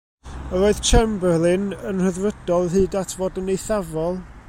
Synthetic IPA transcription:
əɾoːɨðt͡ʃʰɛmblˠɨnənr̥əðrəd̥ɔlˠɦɨːdatʰvoːdənejθavɔlˠ

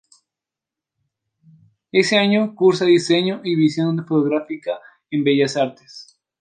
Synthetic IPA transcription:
e̞seaɲokuɾsaðise̞ɲoʔiβisjo̞nd̪efot̪oɣɾafika | embe̞ʝasaɾt̪e̥s

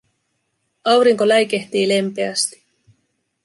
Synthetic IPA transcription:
ɑwɾiŋko̞læjke̞ht̪iːle̞mpe̞æst̪i̥

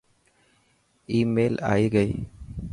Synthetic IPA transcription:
iːmeːla̰ːjɡəj

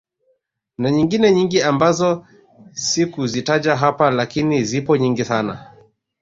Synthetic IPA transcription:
naɲiŋɡinɛɲiŋɡiambazɔ | sikuzitad͡ʒaɦapalakinizipɔɲiŋɡisana̰

